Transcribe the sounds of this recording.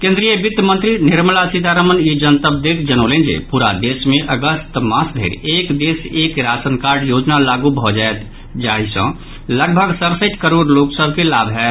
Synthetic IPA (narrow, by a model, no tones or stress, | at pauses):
kẽːnd̪ɾijəbit̪jəmə̃nt̪ɾinɪɾməlasid̪ʱaɾəmənid͡ʒənt̪əb̚d̪ek̪ʰd͡ʒənolẽnd͡ʒḛpuɾad̪esmẽʔəɡəst̪mãsd̪ʱḛɾeːkd̪eseːkɾasənkaɾɖjoːd͡ʒnalaɡubʱɔd͡ʒaet̪ | d͡ʒaɦisə̰̃ | ləɡ̚bʱəɡsəɾsəit̪kəɾoɖloksəbʱkelabʱɦɛ